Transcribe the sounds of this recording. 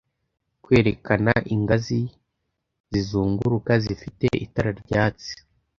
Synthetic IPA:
kwe̞ːɾekanaʔiŋɡazi | zizuːŋɡuɾukazifitḛʔḭtaɾaɾɟaːt͡si̥

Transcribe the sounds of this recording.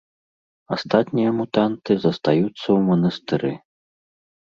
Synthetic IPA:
ast̪at̪ʲnʲijɐmut̪ant̪ɨzɐst̪ajut̪sːɐwmɐnɐst̪ɨɾɨ

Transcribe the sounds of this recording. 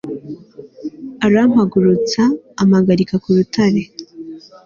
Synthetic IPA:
aɾam̥haɡuɾut͡saːmaɡaɾikakuɾutʰaɾe̞

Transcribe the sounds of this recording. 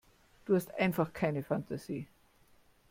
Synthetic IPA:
d̥uːhastʔã̰ɪnfaχkʰaɪnəfantʰasiː

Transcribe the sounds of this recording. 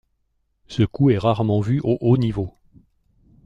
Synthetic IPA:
səkuɛʁaʁmɑ̃vyʔoʔonivo

